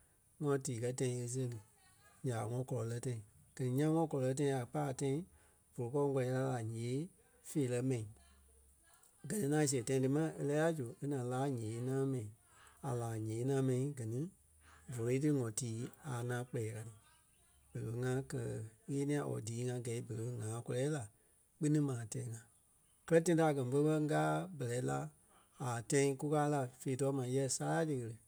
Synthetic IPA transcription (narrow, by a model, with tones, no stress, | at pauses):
ŋɔ̃˧tiː˨kɜ˦tã˧ĩ˧˦e˧s̬e˦lɨ˨ | ɲã˨ŋɔ̃˧˦kɔ˧lɔ˨lɜ˧˦tã˧ĩ˨ | ɡ̥ɜ˨nĩ˦ɲã˦ŋɔ̃˧˦kɔ˧lɔ˨˧lɜ˧˦t̬ã˧ĩ˦a˨k͡paː˦˨tã˧ĩ˦ | v̥o˨lo˨kɔ˦˧ŋ˦kɔ˧ɛ˨˧la˧˦la˨ɲẽː˨˦ | feː˨lɜ˧˦mɛ̃˨ĩ˨ | ɡɜ˨nĩ˦ŋã˦˧s̬e˨tã˧ĩ˧tɨ˧mã˦e˧lɛː˦a˦d͡ʒu˨e˦nã˨˦laː˨˦ɲẽː˨˦nãː˦mɛ̃˨ĩ˨ | a˨laː˨ɲẽː˨˦nãː˦mɛ̃˧nĩ˨˦ɡɜ˨nĩ˦ | vo˨lo˨˧i˦t̬ɨ˦ŋɔ̃˨tiː˨˦a˨nã˨˦k͡pɛː˨˧ka˧n˨ | b̥ə˨lə˧ŋã˧˦kɜ˧˨ɣeː˦nĩ˧ã˧˨ʔɔ̰˨diː˨˦ŋã˧ɡɛ˨˦i˦bə˨lə˨˦ŋãː˨˦kɔ˧lɛː˦la˨ | k͡pɨ˦nĩ˦mãː˨tɛ̃˧˨ĩ˦ŋã˧˨ | kɜ˦lɜ˦t̬ã˦ĩ˦˧ta˧˨ɡɜ˨nĩ˧fə˦ɓɜ˧˦ŋ˦ɡaː˦bɜ˨lɛ˨˦la˧ | a˨tã˧ĩ˧ku˦kaː˧˦la˨feː˧˨tɔː˨˦mã˨˦jɛ˦saː˦ja˦tɨ˧ɣə˧lə˨